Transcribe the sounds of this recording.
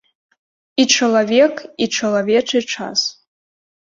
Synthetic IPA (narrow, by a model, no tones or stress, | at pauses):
iʈ͡ʂʰɨlavʲe̞kʼiʈ͡ʂʰɨlaveʈ͡ʂʰaiʈ͡ʂʰa̰z̥